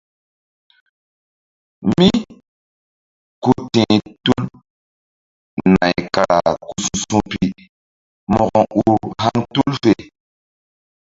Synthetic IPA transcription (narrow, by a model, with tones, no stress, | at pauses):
mi˦ | ku˨tɛ̃˨tu˦l | na̰˨jka˨a˨ku˨su˨sũ˦pi˨ | mɔ˦˨kɔ˨u˦ha˦ŋtu˦lfe˨